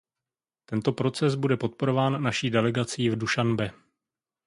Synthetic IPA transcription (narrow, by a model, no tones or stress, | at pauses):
t̪ɛnt̪o̞pɾo̞t͡sɛsbudɛpo̞t̪̚po̞ɾo̞vaːnːaʃiːdɛlɛɡat͡siːvduʃanbɛ